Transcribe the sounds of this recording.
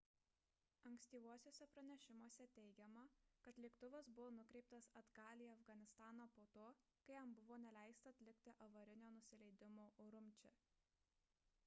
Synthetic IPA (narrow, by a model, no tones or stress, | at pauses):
ɐŋksʲt̪ʲiːʋuɔsʲoːsʲɛpɾɐnʲɛʃʲɪmoːsʲɛt̪ʲɛɪɡʲɛmɐkɐt̪lʲiːkt̪ʊʋʲɛsbʊʋoːnʊkɾʲɛɪp̚t̪ɐsɐd̪ɡɑːlʲiːɐfɡɐnʲɪst̪ɑːnoːpoːt̪oːkɐɪɐmbʊʋoːnʲɛlʲæˑɪst̪ɐɐt̪ʲlʲɪkʲt̪ʲɪʔɐʋɐɾʲɪnʲoːnʊsʲɪlʲɛɪd̪ʲɪmoːʔoːɾʊmʲˑt͡ʃʲɛ